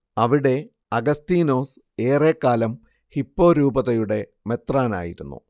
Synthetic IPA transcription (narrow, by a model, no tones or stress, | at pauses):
ɐʋiɽe̞ | ɐɡɐst̪iːno̞ːs | e̞ːre̞ːkːaːlɐm | hipːo̞ːɾuːbɐðɐjuɽe̞me̞t̪raːna̰ːjiɾunːṵ